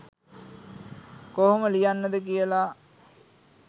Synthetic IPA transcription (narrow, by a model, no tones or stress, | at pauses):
koɦoməlijanːəd̪əkijəla